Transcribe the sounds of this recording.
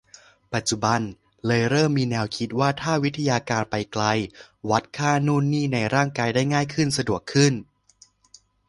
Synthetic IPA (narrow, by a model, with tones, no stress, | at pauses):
pa˨˩t̪̚t͡ɕu˨˩ba˧n | lɤː˧jɾɤː˥˩mːiː˧nɛː˧wkʰi˦˥t̪̚waː˥˩t̪ʰaː˥˩wi˦˥t̪ʰa˧jaː˧kaː˧npa˧jkla˧j | wa˦˥t̪̚kʰaː˥˩nuː˥˩nːiː˥˩na˧jɾaː˥˩ŋkaː˧jdaː˥˩jŋaː˥˩jkʰɯ˥˩nsa˧du˨˩əkʰːɯ˥˩n